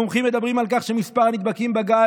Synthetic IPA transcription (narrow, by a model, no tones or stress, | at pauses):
omχimːe̞d̪abʁimalk̬aχʃemispaʁnit̪̚bakimbaɡa